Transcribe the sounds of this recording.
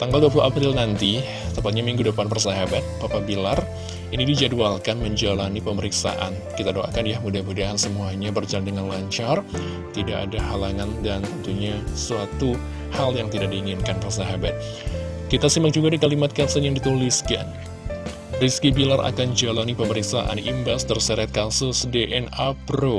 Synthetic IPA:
t̪aŋɡalduapuluʔapɾɪlnant̪i | t̪əmpat̪̚ɲamiŋɡudəpanpərsaɦabat̪̚papabilar | inidid͡ʒadualkanməɲd͡ʒalanipəməɾiksa̰ʔa̰n | kit̪adoʔa̰kanjahmudabudaɦansəmuaɲabərd͡ʒalandəŋanlaɲt͡ʃar | t̪idaʔa̰dahalaŋandant̪ənt̪uɲasuat̪u | haljaŋt̪idaʔ̚diːŋɪnkanpərs̬aɦabat̪̚ | kit̪asimak̚d͡ʒuɡadikalimat̪̚kasənjaŋdit̪uliska̰n | riskibilara̰kand͡ʒalanipəməɾiksaʔa̰nʔimbast̪ərsəɾɛt̪̚kasʊsdeʔɛnapɾo

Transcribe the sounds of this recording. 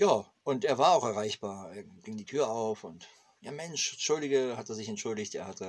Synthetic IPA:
jaː | ʔʊnteːɐvaːɐaʊxɛɐʁaɪçb̥aːɐeːɐɡ̥ɪŋdiːtʰyːɐaʊfʊnt | jaːmɛnʃʃʊldɪɡəhateːɐzɪçɛntʃʊldɪçtḛːɐhatʰə

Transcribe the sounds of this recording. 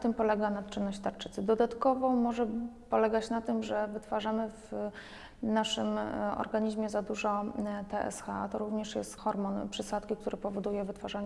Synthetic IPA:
t̪ɘmpɔlɛɡanat̪t͡ʂɘnːɔɕt͡ɕʲt̪aɾt͡ʂɘ̥t̪sɘd̪ɔd̪at̪kɔvɔ̃wmɔʐɛpɔlɛɡat͡ɕnat̪ɘmʐɛvɘt̪faʐamɘv | naʂɘmɔ̰ɾɡaɲiʑmʲjɛzad̪uʐɔt̪ɛʔɛ̰sxat̪ɔɾuvɲɛʂjɛ̰st̪xɔɾmɔnpʂɘsat̪kʲik̚t̪uɾɛpɔvɔd̪ujɛvɘt̪faʐaɲ

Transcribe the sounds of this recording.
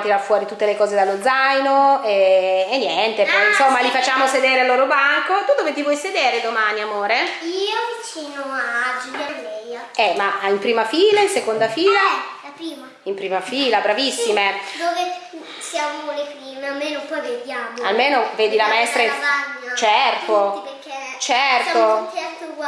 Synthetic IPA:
t̪iɾafːwɔːɾit̪ut̪ːelekɔːzed̪alːod̪zajnoɛːnːjɛnt̪epɔjinsomːalifat͡ʃːaːmosed̪eːɾealːoːɾobaŋkot̪ud̪oːvet̪ivwɔjsed̪eːɾed̪omaːniamoːɾeiːovit͡ʃiːnoad͡ʒijalɛja | ɛmaimpɾiːmafiːlainsekond̪afiːlalapɾiːmaimpɾiːmafiːlabɾavisːimed̪oːve | sjaolefilmealmenopɔjved̪jaːmoa̰lmeːnoveːd̪ilamaɛst̪ɾaaɲːat͡ʃɛrt̪oiperket͡ʃɛrtaot͡ʃɛrt̪o

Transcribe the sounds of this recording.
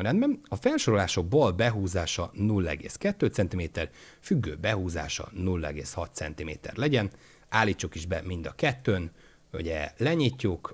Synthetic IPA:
ɾɛnbɛmɒfɛlʃo̞ɾo̞laːʃo̞ɡ̚bɒlbɛɦuːzaːʃɒnulːɛ̰ɡḛːskɛt̪ːøːt̪sɛnt̪imeːt̪ɛr | fyɡːøːbɛɦuːza̰ːʃɒ̰nulːɛ̰ɡeːshɒt̪sɛ̰nt̪imḛːt̪ɛ̰rlɛɟɛn | aːlːiːt͡ʃːukiʒbɛmind̪ɒkɛt̪ːøːn | ṵɟɛlɛɲicːuk

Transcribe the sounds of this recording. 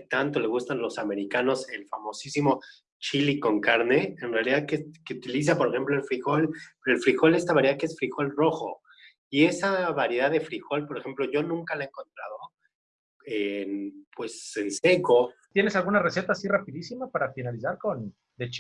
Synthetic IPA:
t̪ant̪o̞le̞ɣ̞ust̪anlo̞same̞ɾikano̞se̞lfamo̞sisimo̞ | t͡ʃiliko̞ŋkaɾne̞enrealiðaðkekeut̪ilis̬apo̞ɾexe̞mploelfɾixo̞lpeɾoelfɾixo̞le̞st̪aβaɾjakeesfɾixo̞lro̞xo̞̰ | ie̞saβaɾje̞ð̞aðe̞fɾixo̞lpo̞ɾe̞xe̞mplo̞ʝo̞nũŋkalaeŋko̞nt̪ɾað̞o̞ | enpwe̞sense̞ko̞t̪je̞ne̞salɣunare̞se̞t̪aːsirapiðisimapaɾafinalisaɾko̞n | d̪et͡ʃ

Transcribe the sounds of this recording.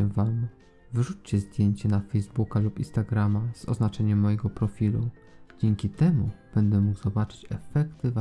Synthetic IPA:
ɛvam | vɘʐut͡ɕt͡ɕɛzd̪ʲjeɲt͡ɕɛnafɛjzbukalupinst̪aɡɾamaz̥ɔ̰znat͡ʂɛɲɛmːɔjɛɡɔpɾɔfʲilṵ | d͡ʑɛŋkʲit̪ɛmub̥ɛnd̪ɛmuɡzɔbat͡ʂɘ̥t͡ɕɛfɛkt̪ɘva

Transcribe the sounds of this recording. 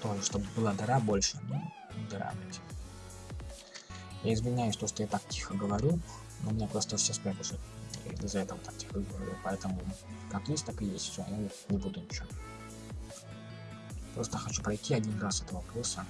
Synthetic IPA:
t̪oʐəʂt̪obbɨlˠad̪ɐɾabo̞lʲʂəno̰ | ɪd̪ɐɾa̰bɨtʲ | jaɪzvʲɪnʲajʊsʲt̪o̞ʂt̪ojat̪ak̚tʲixəɡəvɐɾʲu | nʔomʲɪnʲepɾost̪əfsʲespɾʲat̪ʲɪʂɨt̪zɐɛt̪əvət̪ak̚tʲi̥xəɡəvɐɾʲṵpɐɛt̪əmʊkakjesʲt̚ʲt̪akɨjesʲt̪ʲfʲsʲo̰ja | nʲɪbud̪ʊnʲɪt͡ɕɪ | pɾo̞st̪əxɐt͡ɕupɾɐjtʲːiɐdʲinrasɛt̪əvəpɾosə

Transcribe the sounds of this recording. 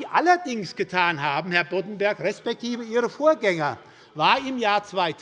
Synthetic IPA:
ʔalɐdɪŋsɡ̥ətʰaːnɦaːbm̩hɛɐbotn̩bɛɐkʁɛspɛk̚tʰiːvəiːʁəfoːɐɡɛŋɐ | vaːɐɪmjaːɐt͡sv̥aɪtʰ

